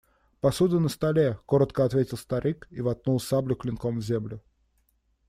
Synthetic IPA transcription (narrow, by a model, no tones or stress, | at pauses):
pɐsud̪ʊnəst̪ɐlʲekoɾət̪kəɐt̪vʲetʲɪlˠst̪ɐɾɨkivɐt̪̚nulˠsablʲʊklʲɪnkomvzʲemlʲʊ